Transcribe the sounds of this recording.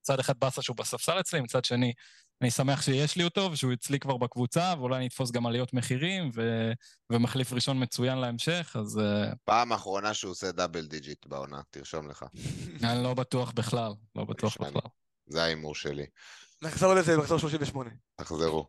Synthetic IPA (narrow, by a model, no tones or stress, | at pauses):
it͡sad̪eχad̪̚basaʃeubasafsalet͡slimit͡sad̪ʃeni | anisameaχʃejeʃlioto̞vʃeujit͡slikvaʁbakvut͡saveulajanit̪fo̞s̬ɡamalijo̞tme̞χiʁimve | vemaχlifʁiʃo̞nmet͡sujanleemʃe̞χazpaːmaːχʁo̞naʃeosed̪abeld̪id͡ʒit̪bao̰na̰t̪iʁʃo̞mlḛχa̰anilo̞bat̪uaχbeχlallo̰ba̰t̪uaχbela̰l | zeaimuʁʃḛlḭnaχzaulezebaksoʃloʃiɱveʃmonet̪aχzeʁṵ